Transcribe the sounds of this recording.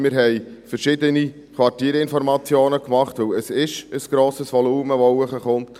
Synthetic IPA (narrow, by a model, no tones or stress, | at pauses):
mɪɾɦɛjfəɾʃɪd̪əni | kʰʋɑɾrtiːɾɪnfɔɾmɑt͡sjoːnəkmɑχt̪ʋɵwəsɪʃəsɡ̥ɾoːsəsʋɔluːməʋɔwəχəχʊnt̪